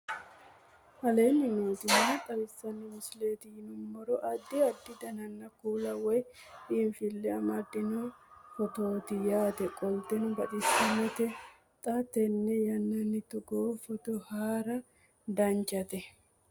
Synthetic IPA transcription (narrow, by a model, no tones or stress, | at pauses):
hɐleːnːɪnoːzɪnɐt̪ʼɐβɪsːɐnːɪmʊsleːt̪ɪhɪnʊmːɔɾɔʔɐd̪ːɪɐd̪ːɪd̪ɐnɐnːɐkuːlɐwɔj | ʔɪmfɪlːɛɐmɐd̪ːɪnofɔt̪o̞ːt̪ɪjaːt̪ɛkʼɔlt̪ɛnʊbɐt̪ɪsːɐnɛt̪ɛ | t̪ʼɐt̪ɛnːɛjɐnːɐnːɪt̪ʊɡoːfɔt̪ɔhaːɾɐ | d̪ɐnt͡ʃʼːɐt̪ɛ